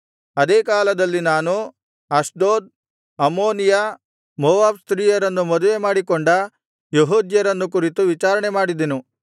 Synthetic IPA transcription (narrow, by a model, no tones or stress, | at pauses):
ɐd̪eːkaːlɐd̪ɐlːinaːnu | ɐsd̪oːd̪̚ | ɐmoːnija | moʋaːbst̪ɾiːjɐɾɐnːumɐd̪uʋe̞maːɽikoɳɖɐ | jeɦuːd̪jɐɾɐnːuk̬uɾit̪uʋit͡ʃaːɾɐɳemaːɽid̪enu